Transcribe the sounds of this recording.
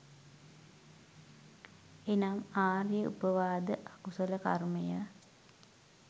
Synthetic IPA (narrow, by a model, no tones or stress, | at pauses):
enamaːrjəṵpəʋaːd̪əʔakusələka̰rməjə